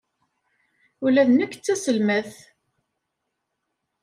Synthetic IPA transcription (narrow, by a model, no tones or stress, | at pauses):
ʊlæðnəkːət͡sːæsəlməθ